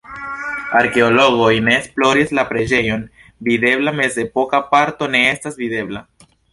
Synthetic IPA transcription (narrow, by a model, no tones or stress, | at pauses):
aɾke̞olo̞ɡo̞jne̞ːsplo̞ɾislapɾe̞d͡ʒe̞jo̞n | vide̞blame̞ze̞po̞kapaɾto̞ne̞estasvide̞bla